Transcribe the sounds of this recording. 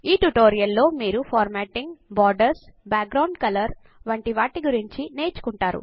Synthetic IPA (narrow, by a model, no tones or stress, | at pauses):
iːʈuʈoːɾijɐlːo̞ːmiːɾupʰɔːɾmaːʈiŋɡbɔːɾɖɐɾsbaːk̚ɡɾɐwɳɖkɐlɐɾ | ʋɐɳʈiʋaːʈiɡuɾiɲt͡ʃine̞ːt͡ʃu̥kuɳʈaːɾṵ